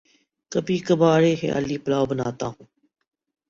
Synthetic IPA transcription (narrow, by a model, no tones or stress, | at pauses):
kəbiːkəbaːɾeːɦḛːa̰ːliːpəlaːobənaːt̪ãː